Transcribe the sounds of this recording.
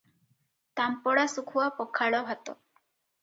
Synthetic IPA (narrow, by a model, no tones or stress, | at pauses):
t̪ampɔɽasukʰuwapɔkʰaɽɔɦat̪ɔ̰